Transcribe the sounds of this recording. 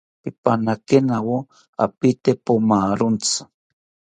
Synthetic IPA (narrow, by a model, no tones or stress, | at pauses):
pipanakenawo | a̰pit̪epomaɾʊnt͡sḁ